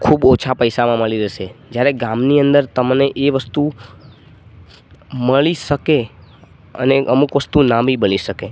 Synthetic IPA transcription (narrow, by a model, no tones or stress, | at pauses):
kʰubot͡ʃʰapəjsamãməɭiɾeʃed͡ʒjaɾeɡãmniənd̪əɾt̪əmneʔeʋəst̪u | məɭiʃəke | ə̰neʔəmukʋəst̪unabʱibəɭiʃəke